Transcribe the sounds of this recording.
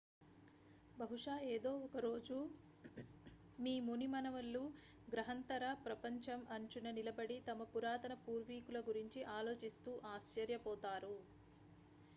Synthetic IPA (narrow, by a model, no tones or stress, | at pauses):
bɐɦuʂaːeːd̪o̞ːɔkɐɾoːd͡ʒu | miːmunimɐnɐʋɐlːuː | ɡɾɐɦɐnt̪ɐɾɐpɾɐpɐɲt͡ʃɐmʔɐɲt͡ʃunɐnilɐbɐɽit̪ɐmɐpuɾaːt̪ɐnɐpuːɾʋiːkulɐɡuɾiɲt͡ʃiʔaːlo̞ːt͡ʃist̪uːʔaːʃt͡ʃɐɾjɐpɔːt̪aːɾu